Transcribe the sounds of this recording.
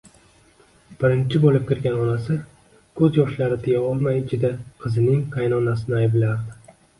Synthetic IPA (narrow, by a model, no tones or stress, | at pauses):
b̥ɪɾɪnt͡ʃʰɪbolɪp̚kʲɪɾɡʲanɒnasɪ | kʰɵzjɒʃlaɾɪt̪ʰɪjaɒlˠmajɪt͡ʃʰɪd̪aqʰɨzɪnɪŋqʰajnɒnasɪnɪajblaɾd̪ɪ